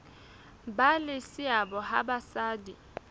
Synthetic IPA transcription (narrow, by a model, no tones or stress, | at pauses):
balɪsɪabɔɦa̰basaːdi